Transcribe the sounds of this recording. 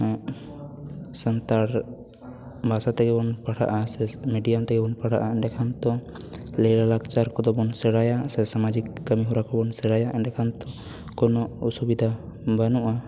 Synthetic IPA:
sənt̪aɾ | bʱasat̪ɛɡɛbɔnpaɽa̰ʔasɛmeɖijamt̪ɛɡɛbɔnpaɽa̰ʔaɛɖɛkʰant̪ɔlɛɾalakt͡ʃaɾkɔd̪ɔbɔnsɛɽajasɛsamad͡ʒikːəmiɦuɾakɔbɔnsɛɽajaʔɛɖɛkʰant̪ɔ | kɔnɔusubid̪ʱabənuʔa

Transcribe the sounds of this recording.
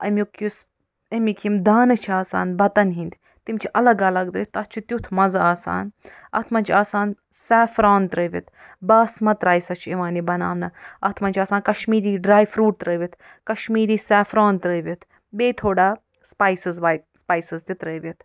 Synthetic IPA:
ɐ̰mʲjukus | ɐmikʰimd̪aːnɨt͡ʃʰiaːsa̰ːnbɐt̪ɐnɦind̪ʲ | t̪imt͡ʃʰiʔɐlɐɡɐlɐɡd̪ɾət̪ɐt͡ʃʰut̪ʲjut̪ʰmɐzaaːsa̰ːnɐ̰t̪ʰmɐnʲt͡ʃʰaːsaːn | sɛːfɾaːnt̪ɾəːʋʲit̪baːsmɐt̪ɾaːjsɐt͡ʃʰiʋaːnibɐna̰ːʋnɐɐt̪ʰmɐnʲt͡ʃʰaːsaːnkɐʃmiːɾiːɖɾaːjfɾuːʈ̚t̪ɾəːʋʲit̪ʰ | kɐʃmiːɾiːsɛːfɾaːnt̪ɾəːʋʲit̪ʰ | beːt̪ʰoːɖaː | spaːjsɨzʋaːjspaːjsɨzt̪it̪ɾəːʋʲit̪ʰ

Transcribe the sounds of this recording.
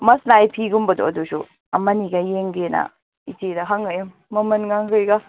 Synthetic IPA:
mɐsnajpʰiɡumbɐdo̰ɐdusu | ɐmɐniɡɐjeŋɡenɐ̰ | itedɐɦaŋɯjumːɐmɐnɡaŋɡɯjɡɐ

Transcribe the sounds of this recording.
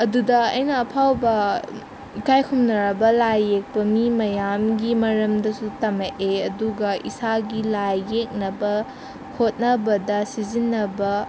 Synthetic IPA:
ɐdudɐɐjnɐːpʰawbɐ | ikʰajkʰumnɐɾɐbɐlajːek̚pɐmimɐjamɡimɐɾɐmdɐsutɐmeʔeɐduɡɐʔḭsaɡilajːek̚nɐbɐ | hʰot̚nɐbɐdɐsizinːɐbɐ

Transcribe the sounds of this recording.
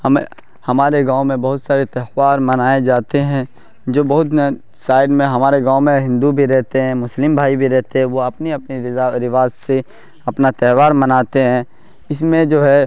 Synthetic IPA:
hɐm | hɐmaːɾeɡãːõmẽbɐɦʊt̪saːɾet̪ɛhʋaːɾmɐnaːed͡ʒaːt̪eɦɛ̃ | d͡ʒoːbɐɦʊt̪ | saːɪɖmẽɦɐmaːɾeɡãːõmẽɦɪ̃nd̪ubʱiɾɛɦt̪eɦɛ̃mʊslɪmbʱaːibʱiɾɛɦt̪eɦɛ̃ʋoɐpniɐpniɾɪaɾɪʋaːzse | ɐpnat̪ɛɦʋaːɾmɐnaːt̪eɦɛ̃ | ɪsmẽd͡ʒoːɦɛ

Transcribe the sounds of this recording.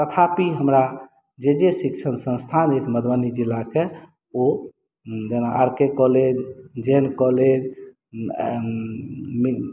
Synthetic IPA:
t̪ət̪ʰapiɦəmɾa | d͡ʒed͡ʒesikʃʰənsə̃nst̪ʰanet̪ʰməd̪ʱbanid͡ʒilːake | o | d͡ʒenaʔaɾkekɔled͡ʒd͡ʒenkɔled͡ʒ | mi

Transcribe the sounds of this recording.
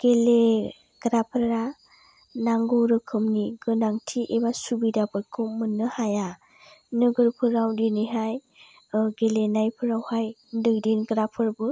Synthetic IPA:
ɡ̥ele | ɡ̥ɾapʰɯɾa | naŋɡɯɾɯkʰɯmniɡɯnaŋtʰiʔebasubidapʰɯɾkʰɯwmɯnːɯhaja | nɯɡɯɾpʰɯɾawdiniɦaj | ɡelenajpʰɯɾawhajdɯɡdinɡɾapʰɯɾbɯ

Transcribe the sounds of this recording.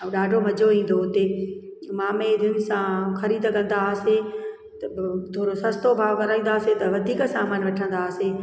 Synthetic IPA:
ɛ̃ɗaːɖʱomɐd͡ʑʱoĩːn̆d̪oɦʊt̪e | maːmed̪ʱɪnɪ̆sãxɐɾid̪kɐ̃nd̪ase | t̪ɐt̪ʰoːɾosɐ̃st̪obʱaːʋkɐɾaːĩːnd̪aːset̪ɐʋɐd̪ʱiːksaːmaːnʋɐʈʰə̃nd̪aːse

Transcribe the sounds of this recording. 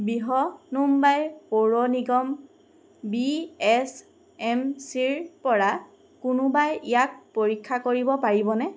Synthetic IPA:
biɦɔnumbajpoɹɔniɡɔm | biɛs | ɛmsiɹpɔɹa | kʊnʊbajijak̚poɹikʰːakoɹibɔpaɹibɔnɛ

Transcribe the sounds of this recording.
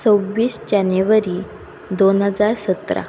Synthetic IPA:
t͡səwʋiːsd͡ʑaneʋəɾiː | d̪onɦəd͡zaɾsət̪ɾa̰

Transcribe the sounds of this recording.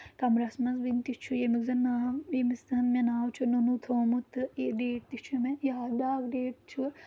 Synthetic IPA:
kɐmɾɐsmɐnsbint̪it͡ʃʰujemiɡzɐnːaːjemisd̪ɐnmenaːwt͡ʃʰununut̪ʰoːmut̪ɨeɖeːʈ̚t̪it͡ʃʰumejad̪aːɡɖeːʈt͡ʃʰu

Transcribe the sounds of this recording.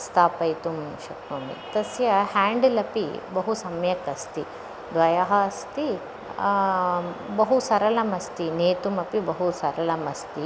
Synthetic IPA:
st̪aːpɐjt̪umʃɐknoːmḭt̪ɐsjɐhaːɳɖlɐpḭbɐɦusɐmjɐkɐst̪i | d̪ʋɐjɐɦɐɐst̪i | bɐɦusɐɾɐlɐmɐst̪ineːt̪umɐpibɐɦusɐɾɐlɐmɐst̪i

